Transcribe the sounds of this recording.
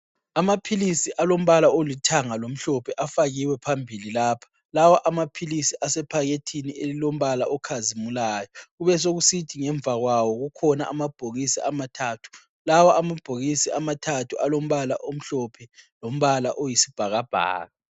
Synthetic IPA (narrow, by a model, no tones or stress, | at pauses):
amapʰilisiʔalom̩βalaolitʰaŋalom̩ɬɔpʰɛʔafaɣiwɛpʰambʱililaːpʰḁ | lawaʔamapʰilisiʔasɛpʰaɣetʰinielilom̩βalaʔɔkʰazimulaːjɔɣuβɛs̬oɣusitʰiŋɛɱb̪vʱaɣwawɔɣukʰɔna̰ʔamab̥ʱoɣisiʔamatʰaːtʰu̥ | lawaʔamab̥ʱoɣisiamatʰatʰuʔalom̩βala̰ʔom̩ɬɔpʰɛlom̩βalaʔojisi̥b̥ʱaɣab̥ʱa̰ːɣa